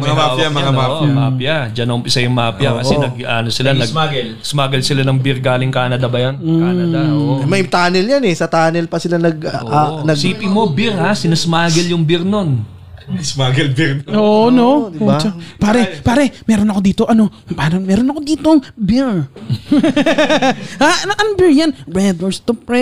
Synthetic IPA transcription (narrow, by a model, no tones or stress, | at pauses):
mɐŋɐajamɐŋaamaːpjɐd͡ʒɐnɐʔʊmpɪsajʊŋmaːpjakɐɛnɐɡ̚ʔanosɪlanɐaɡɛl | smaːɡɐlsɪlanɐŋbɪɾɡaːlɪŋkaːnɐd̪ɐbɐjanːɐmɐjt̪aːnɛljanɛsɐt̪aːnɛlpɐsɪlanɐɡʔanɐɡsiːpɪmo̞bɪɾhasɪnɐsmaːɡɛljʊŋbɪɾno̞n | smaːɡɐlbɪɾoːʔnoot͡ʃɐpaːɾɛpaːɾɛmɛːɾonɐkod̪iːt̪o̞ʔɐno̞paːɾomɛːɾonɐkod̪iːt̪oŋbɪɹ | anʔɐnbɪɹjanbɹɛd̪oɹst̪ʊpɹɛ